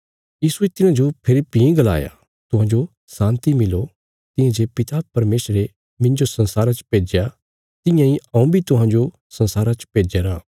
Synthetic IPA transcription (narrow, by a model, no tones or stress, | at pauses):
jiːsuet̪ɪñãd͡ʒopʰɪlpiĩɡɐla̰ːja̰ | t̪ʊɦãːd͡ʒo | sãːnt̪imɪlo | t̪ɪ̃jãd͡ʒeːpɪt̪apɐɾmeːsɾe | mɪ̃nd͡ʒosɐ̃nsaːɾat͡ʃpeːd͡ʒja | t̪ɪ̃jãĩɐũbʱit̪ʊɦãːd͡ʒo | sɐ̃nsaːɾat͡ʃpeːd͡ʒeɾaː